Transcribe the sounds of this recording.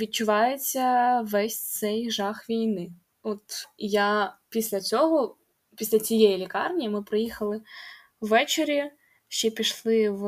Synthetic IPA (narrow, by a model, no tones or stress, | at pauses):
ʋʲid̪̚t͡ʃʊʋɑjet͡sʲːɐʋɛsʲt̪sɛjʒɑxʋʲijnɪ | ɔt̪japʲisʲlʲɐt͡sʲɔɦɔ | pʲisʲlʲɐt͡sʲijɛjilʲikɑrnʲimɪpɾɪjixɐlˠɪː | ɛt͡ʃeɾʲi | ʃt͡ʃɛpʲiʃlˠɪw